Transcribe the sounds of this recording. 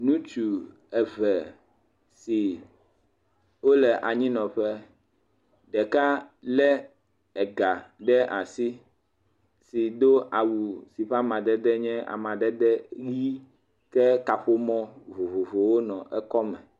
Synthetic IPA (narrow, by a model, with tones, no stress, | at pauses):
nũ˦t͡ʃu˨ | ɛ˨vɛ˨ | si˨ | wo˦lɛ˨ʔa˨ɲĩ˦nɔ̃˨ɸɛ˦ | ɖɛ˨ka˦lɛ˦ | ɛ˨ɡa˨ɖɛ˦ʔa˨si˦ | si˨d̪o˦ʔa˨wu˨si˨ɸa˦mã˨d̪ɛ˦d̪ɛ˦ɲɛ̃˦ʔa̰˨mã˨ɖɛ˦d̪ɛ˦ɣi˦ | kɛ˦ka˨ɸo˦mɔ̃˦vo˨vo˨vo˨wo˦nɔ̃˨ʔɛ˦kɔ˦mɛ̃˨